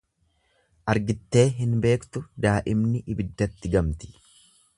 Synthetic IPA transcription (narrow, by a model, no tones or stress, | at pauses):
ʔɐɾɡɪt̪ːe̞ːɦɪnbe̞ːkt̪ʊd̪aːʔɪmnɪʔɪbɪd̪ːɐt̪ːɪɡɐmt̪ɪ̥